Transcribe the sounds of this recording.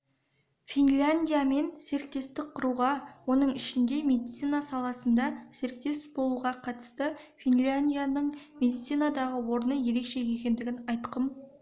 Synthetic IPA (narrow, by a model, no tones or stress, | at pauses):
fʲinlʲanʲd̪ʲijame̞nse̞ɾɪk̚t̪e̞st̪ɪk̚qʰʊɾuʁɑwo̞nəɴɪʃɪnd̪e̞me̞d̪it̪sijnasɑlˠɑsənd̪ɑse̞ɾɪk̚t̪e̞sbo̞lˠuʁɑqʰɑt̪ə̥st̪əfinlʲanʲd̪ʲijanəɴme̞d̪it̪sijnad̪ɑʁəwo̞ɾənəje̞ɾe̞kʃe̞je̞kʲe̞nd̪ɪɡʲɪnɑjt̪qəm